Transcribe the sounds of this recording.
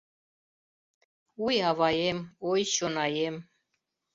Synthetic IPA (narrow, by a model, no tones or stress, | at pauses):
ujɑβɑjemojɕonɑjem